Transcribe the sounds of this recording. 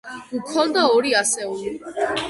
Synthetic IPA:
ukʰɔnd̪aɔɾiasɛuli

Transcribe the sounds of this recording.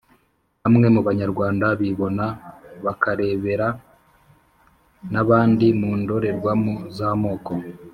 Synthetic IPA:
hamŋe̞muβaɲaɾɡwaːndaβiβo̞naβakaɾe̞ːβe̞ɾa | naβaːndimuːndo̞ɾe̞ɾɡwamuzaːmo̞ːko̞

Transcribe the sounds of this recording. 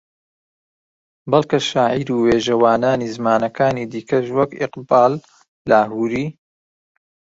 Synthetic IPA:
bɐlˠkɐʃaːʕiɾuːweːʒɐwaːnaːniːzɨmaːnɐkʰaːniːd̪iːkʰɐʃwɐkɪ̰qbaːlː | aːɦuːɾiː

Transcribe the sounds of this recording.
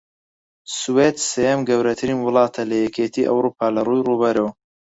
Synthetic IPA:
suwed̪sejɛmɡɐwɾɐt̪ʰɨɾinwʊlˠɑːt̪ʰɐlɐjɛkʰeːt̪ʰiːʔɐ̰wɾuːpʰaːlɐrujruːbɐɾɐw

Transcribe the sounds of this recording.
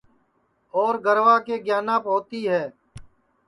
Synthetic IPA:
ɔːɾɡəɾʋaːkeːɡjaːnãːpɔ̃ːt̪iːɦɛː

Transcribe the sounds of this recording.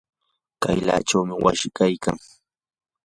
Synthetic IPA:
kajla̰ːʈ͡ʂawmɪwa̰ʃɪkajkaŋ

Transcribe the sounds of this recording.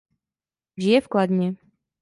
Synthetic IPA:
ʒɪjɛfklad̪ɲɛ

